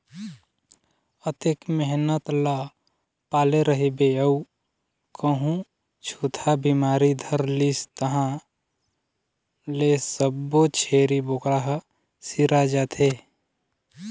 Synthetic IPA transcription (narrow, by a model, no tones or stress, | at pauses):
ət̪ekmeɦnət̪la | paːleɾəɦibeəu | kʰəɦũ | t͡ʃʰuːt̪ʰabimaːɾid̪ʱəɾlist̪əɦã | lesəbːot͡ʃʰeːɾiboːkɾaɦ | siɾad͡ʒat̪ʰe